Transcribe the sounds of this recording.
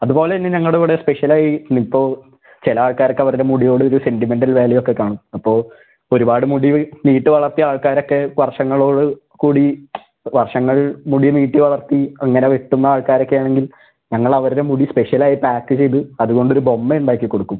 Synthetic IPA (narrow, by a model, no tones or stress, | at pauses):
ɐðubo̞ːleinːɨɲɐŋːɐɭɽeʋuɽespe̞ʂjɐlaːjinipːo̞ː | t͡ɕelɐaːɭkaːɾokːɐʋɐɾuɾemuɽijo̞ːɽɨoɾuse̞ndime̞nɖɐlʋe̞ːlɐjo̞kːe̞kːaːɳumɐpːo̞ːɭ | o̞ɾubaːɽɨmuɽiniːʈːɨʋɐɭɐrt̪iaːɭkaːɾo̞kːe̞ʋɐrʂɐŋːɐɭo̞ːɽɨ | kuːɽi | ʋɐrʂɐŋːɐɭmuɽiniːʈːɨʋɐɭɐrt̪iɐŋːɐne̞ʋeʈːunːɐaːɭkaːɾo̞kːejaːɳeŋɡil | ɲɐŋːɐɭɐʋɐɾuɾe̞muɽispeʂjɐlaːjipaːkːɨt͡ɕe̞jt̪ɨɐðuɣo̞ɳɖo̞ɾubo̞mːeuɳɖaːkʲːikːo̞ɽukːum